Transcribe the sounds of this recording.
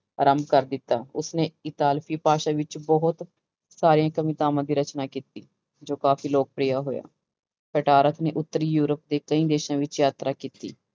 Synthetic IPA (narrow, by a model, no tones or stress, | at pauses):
ɾəmbkəɾd̪ɪt̪ːaːʊsneːɪt̪aːlfʰiːpaːʃãːʋɪt͡ʃbɔɦʊt̪ | saːɾijãːkəmiːt̪aːmãːd̪iːɾət͡ʃnaːkiːt̪iː | d͡ʒoːkaːfiːloːɡ̚pɾiːaːɦoːja̰ː | pəʈaːɾət̪ʰneːʔʊt̪ːəɾiːjuːɾəp̚d̪eːkəĩːd̪eːʃãːʋɪt͡ʃjaːt̪ɾaːkiːt̪iː